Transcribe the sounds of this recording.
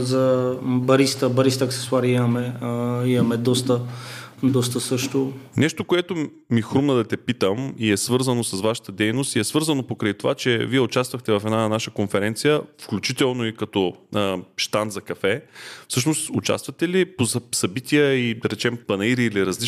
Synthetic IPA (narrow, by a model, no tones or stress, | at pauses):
zɐbɐɾist̪əbɐɾist̪əɐksɛ̥sʊaɾiimɐmɛimɐmɛd̪ɔst̪ə | d̪ɔst̪əsɤʃt̪onɛʃt̪okoɛt̪o | mixɾumnəd̪ɐt̪ɛpit̪əmiɛsvɤɾzənosɐsvaʃə̥t̪əd̪ɛjnost̪iɛsvɤɾzənopokɾəjt̪ova̰t͡ʃɛviɛʊt͡ʃast̪vɐxt̪ɛvɐfɛd̪nanaʃəkonfɛɾɛnt̪sijəfklʲut͡ʃit̪ɛlˠnoikɐt̪ɔəʃt̪anzɐkɐfɛfsɤʃ̬nost̪ʊt͡ʃa̰st̪vɐt̪ɛlipozsɐbit̪ijəid̪ɐɾɛt͡ʃɛmpɐnɐiɾiːliɾɐzli